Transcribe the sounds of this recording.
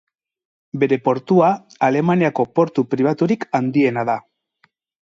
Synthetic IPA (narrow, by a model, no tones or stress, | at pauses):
be̞ɾe̞po̞ɾt̪uaː | le̞maniako̞po̞ɾt̪upɾiβ̞at̪uɾikand̪ie̞naða